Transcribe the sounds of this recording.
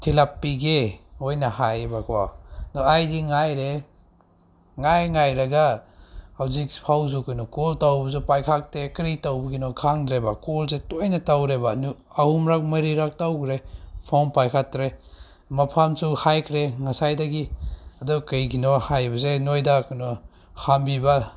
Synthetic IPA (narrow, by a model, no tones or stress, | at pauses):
tʰilapːiɡeojnahajbakʰwa̰dɔajdiŋajɾe | ŋajŋajɾaɡa | hawzik̚pʰawzukɯjnɔkɔltawbɐsupajkʰak̚tekɾitawbɐɡinɔkʰaŋdɾebakolzetojnatawɾebanu | ahumɾak̚mɐɾiɾak̚tawkɾepʰawnpajkʰatɾe | mapʰamsuhajkʰɾeŋasajdaɡiadukɐjɡinɔhajbɐzenojdakɯnɔ | hambiba